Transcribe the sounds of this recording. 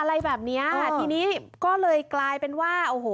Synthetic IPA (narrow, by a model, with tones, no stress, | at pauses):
ʔa˧ɾa˧jbɛː˨˩p̚ni˦˥ɐa˧˩t̪ʰiː˧niː˦˥kɔː˥˩lɤː˧jklaː˧jpe˧nwaː˥˩ʔoː˨˩hoː˩˦